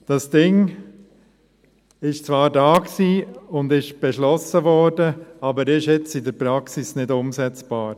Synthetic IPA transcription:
d̥ɑsd̥ɪŋ | ɪʃt͡svɑːɾdaːksiːʊndɪʃb̥ɛʃlɔsəvɔɾd̥əɑbəɾɪʃɛt͡sɪdəɾpɾɑksɪsnɪdʊmsɛt͡sb̥aːɾ

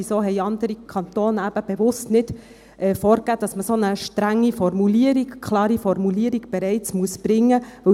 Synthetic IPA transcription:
isoːɦɛɪɑnd̪əɾikʰɑnt̪oːnæb̥əb̥ɛʋʊstnɪd̥ | ɛːfɔːɾkæːd̥ɑsməsonəʃtɾæŋːifɔɾmuliəɾiɡkʰlɑːɾifɔɾmuliːəɾiɡ̥b̥ɛɾɛɪt͡smuəsb̥ɾɪŋːəʋɵ

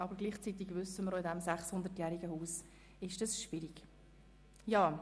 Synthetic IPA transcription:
ʔɑbəɾɡliːχt͡sit̪iɡvʏsəməɾoɪdɛmsæχshʊnd̪ətjæːɾiɡəhuːs | ɪʃd̥ɑsʃv̥ɪɾiɡ | jɑː

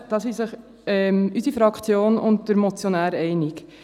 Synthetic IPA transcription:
d̥ɑsisəχ | ɛmysifɾɑkt͡sjoːnʊnt̚d̥əɾmɔt͡sjɔnæːɾɛɪnɪk

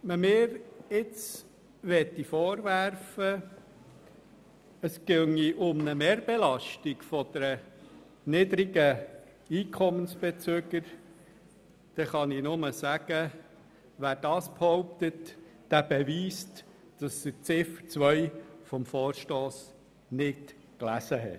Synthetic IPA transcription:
məmɪːɾɪt͡s | ʋɛt̪ːifɔːɾʋæɾfə | əskøŋiʔʊmnəmeːɾb̥elɑʃtikfɔd̪əɾə | nɪd̪ɾiɡə | iːkʰɔmənsb̥ɛt͡søɡəɾ | d̥ɛχɑninʊməsæɡ̥ə | ʋæːd̥ɑːsphɔʊp̚t̪ətd̥æb̥ɛʋiːst | d̥ɑsət͡sɪft͡sʋœjfɔmfoːɾʃtoːs | nɪt | klæsəɦɛ̰t

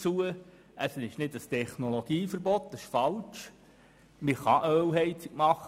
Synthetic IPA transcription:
t͡suə | əsənɪʃnɪdəstʰɛχnoloɡ̥iːfəɾbɔtdəsɪʃfɑlt͡ʃ | mɪχɑʔœwɦɛɪt͡sikmɑχ

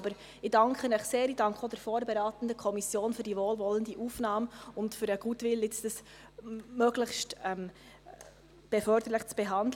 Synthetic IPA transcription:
bəɾ | idɑŋkχənəχseːɾidɑŋkχodɛɾfoːɾbɛɾɑːt̪ən̩dəkʰɔmisjoːnfʏɾdivoːlvɔləndiʔuːfnɑːmʊntfʏɾəɡ̥uːtvɪlɪt͡sd̥əs | møɡləχʃtɛm | b̥ɛfœɾd̥əɾləχt͡sb̥ɛɦɑndl

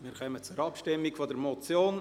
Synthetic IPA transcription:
miːɾkœmət͡sʊɾɑpʃtɪmːɪkfodəɾmot͡sjoːn

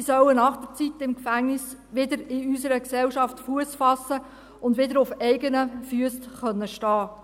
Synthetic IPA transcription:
isœwənɑχd̥ət͡sitɪmkfæŋnɪsʋɪdəɾɪysəɾəksɛwʃɑftfuəsfɑsə | ʊndʋɪdəɾʊfɛɪɡənəfyəstχœnːəʃtɑː

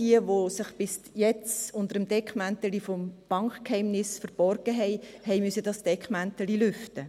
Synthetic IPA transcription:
d̥iəʋosɪχb̥ɪs | jɛt͡sʊnd̪əɾəmd̥ɛkχmænt̪əlifɔmb̥ɑŋkχkhɛɪmnɪsfəɾb̥ɔrɡ̥əɦɛɪhɛɪmysədɑsd̥ɛkχmænt̪əlilʏftə

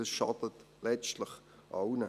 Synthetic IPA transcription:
əsʃɑ̰tət | lɛt͡stləχ | ʔaʊnə

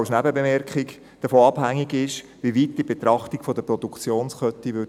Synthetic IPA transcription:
ʃnæbəbemɛrkχɪk | d̥əfoːɑb̥hæŋːiɡɪʃ | ʋiʋiːt̚d̥ibet̪ɾɑχtikfod̥əpɾɔdukt͡sjoːnsχœt̪ːiʋʏ

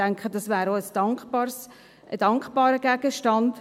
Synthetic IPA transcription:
æŋkχəd̥ɑsvæːɾosd̥ɑŋkχpɑɾs | ʔəd̥ɑŋkχb̥ɑːɾəɡ̥æɡəʃtɑnd

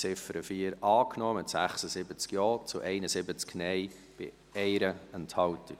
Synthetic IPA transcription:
t͡sɪfəɾəfiːəɾɑːknɔːmɪtsæ̰χsəsɪbət͡skjɔːt͡sʊʔɛɪnəsɪbət͡sknɛɪ | b̥ɪ̰ | ɛɪɾəənthɑwti

